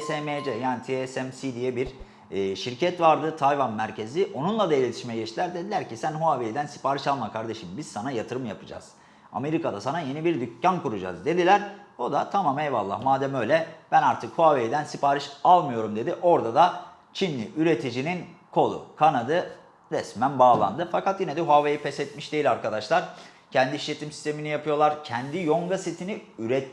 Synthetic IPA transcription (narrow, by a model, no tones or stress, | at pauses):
sɛmed͡ʒɛjaːnit̪ʰiɛsɛmsid̪ijɛbiɾː | ʃiɾcʰɛt̪vaɾd̪ɯt̪ʰajvanmæɾcʰe̞ziʔo̞nunlˠad̪ailʲe̞t̪ʰi̥ʃmɛɟɛt͡ʃt̪ilʲæɾd̪ed̪ilʲæɾcisænɦuavejd̪ænsi̥paːɾɯʃalˠmakʰaɾd̪e̞ʃimbiz̥sanajat̪ʰɯɾɯmjapʰɯd͡ʒa̰z̥ | a̰me̞ɾikad̪asanaje̞nibiɾd̪ycːankuɾud͡ʒa̰zd̪e̞d̪ilʲæɾo̞d̪at̪ʰamamejva̰lˠːa̰hmaːd̪ɛmø̞jlʲɛb̥ænaɾt̪ʰɯkhoavejd̪ænsipaːɾɯʃalˠmɯjo̞ɾumd̪e̞d̪iʔo̞ɾd̪ad̪a | t͡ʃʰinlːʲḭʔyɾe̞t̪ʰid͡ʒinin | kʰo̞lˠṵkʰanad̪ɯ | ɾɛsmænbaːlˠa̰nd̪ɯfakat̪jinɛd̪ɛɦoavejipʰɛsɛt̪miʃd̪e̞jilʲaɾkad̪aʃlˠaɾ̥ | cʰɛnd̪iʃlʲe̞t̪ʰimsi̥st̪ʰe̞minijapʰɯjo̞lˠaɾcʰɛnd̪ijoŋɡaset̪ʰiniyɾɛt̪ː